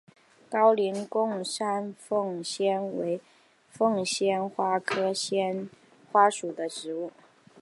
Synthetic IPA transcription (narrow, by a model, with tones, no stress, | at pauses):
kɑ˥ʊli˧˥nkʊ˥˧ŋʂa˥nfɤ˥˩ŋɕjɛ˥nwe˧˥ɪ | fɤ˥˧ŋɕjɛ˥nxwa˥kʰɤ˥ɕjɛ˥n | xwa˥ʂu˨˩d̪ə˦ʂɻ̩˧˥u˥˩